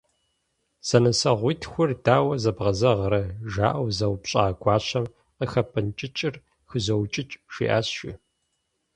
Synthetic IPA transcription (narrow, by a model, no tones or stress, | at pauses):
z̥ɐnɐsɐʁʷiːtʰxʷʊrdaːwɐzɐbʁɐzɐʁɾɐʒa̰ːʔɐwzɐwpɕʼaːɡʷɑːɕɐm | qəxɐpʰʼɨnt͡ʃʼɪt͡ʃʼɪr | xɨzɐwt͡ʃʼɪt͡ʃʼʃḭːʔaːsʃḭ